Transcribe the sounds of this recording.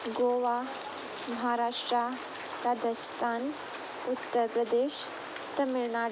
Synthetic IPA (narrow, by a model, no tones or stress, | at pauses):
ɡoːʋa | mɐɦaɾaʂʈɾa | ɾaːd̪əst̪ʰaːn | ut̪ːəɾpɾəd̪eːʃ | t̪əmiɭna